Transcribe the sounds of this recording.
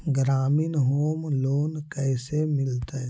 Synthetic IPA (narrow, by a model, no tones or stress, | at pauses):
ɡɾaːminɦoːmloːnkɛːsemɪlt̪a